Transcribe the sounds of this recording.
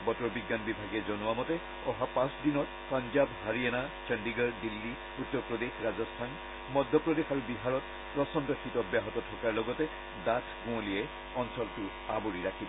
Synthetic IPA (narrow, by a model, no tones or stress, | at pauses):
bɔtɔbiɡːanbibʱaɡɛzɔnʊamɔtɛ | ɔɦapãsdinɔt̚ | panzabhaɹiɛnat͡ʃɛndiɡaɹdilːi | utːɔɹpɹɔdexɹazɔstʰan | mɔdʱːɔpɹɔdexaɹubiɦaɹɔt | pɹɔsɔndɔxitɔbjaɦɔtɔtʰɔkaɹlɔɡɔtɛ | datʰɡũoliɛ | ɔnsɔltʊ | abuɹiɹakʰibɔ